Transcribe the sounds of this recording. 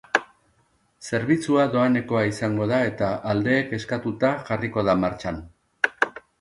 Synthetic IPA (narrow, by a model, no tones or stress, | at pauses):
se̞ɾβ̞it͡suaðo̞ane̞ko̞aisaŋɡo̞ðae̞t̪aʔːld̪e̞ːke̞skat̪ut̪aʝariko̞ð̞amaɾt͡ʃan